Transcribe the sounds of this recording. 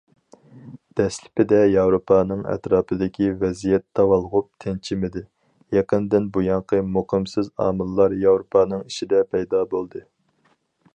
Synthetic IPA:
d̪̥ɛslɪ̥pɪd̪ɛjɑwɾopʰɑːnɨŋɛ̰t̪ɾɑːpʰɨd̪ɪkʲivɛzijɛt̪ːɑwɑlˠʁʊp̚t̪ʰɪnt͡ʃʰɪmɪd̪ɪ | jɛqənd̪ɪnbujɑɴqʰəmuqʰəmsɪzɑ̰ːmɨlˠːɑɾjɑwɾopʰɑːnɨŋiʃid̪ɛpʰɛjd̪ɑːbolˠd̪ɨ

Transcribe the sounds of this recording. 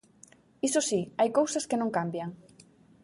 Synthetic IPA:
isosiajkowsaskenõŋkambjaŋ

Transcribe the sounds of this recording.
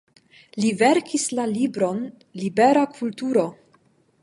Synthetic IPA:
liveɾkʰislalibɾo̞n | libeɾakʰultuɾo

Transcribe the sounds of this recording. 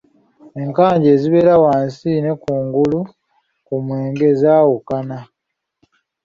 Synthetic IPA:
e̞ŋkaːɲɟeːziβe̞ːɾawaːnsine̞kuːŋɡulu | kumweːŋɡe̞zaːwukana

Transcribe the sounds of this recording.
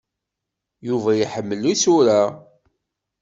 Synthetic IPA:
juvæjiħəmːəlːisʊɾa

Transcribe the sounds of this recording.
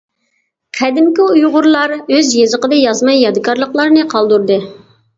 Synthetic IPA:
qʰɛd̪ɪmkʲiujʁʊɾlˠɑɾøzjezəqəd̪ɨjɑzmɑjːɑd̪ɨkɑɾlˠəqlˠɑɾnɨqʰɑlˠd̪uɾd̪ɨ

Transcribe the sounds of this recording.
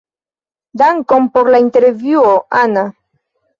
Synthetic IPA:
d̪aŋkompoɾlaint̪eɾvjuoʔana

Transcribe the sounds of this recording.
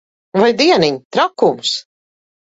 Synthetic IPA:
vajd̪iɛniɲt̪ɾakums

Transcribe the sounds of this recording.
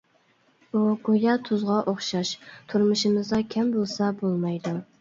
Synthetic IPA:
uɡojɑt̪ʰʊzʁɑʔoχʃɑʃt̪ʰʊɾmʊʃɪmɨzd̪ɑkʲʰɛmbolˠsɑbolˠmɑjd̪u

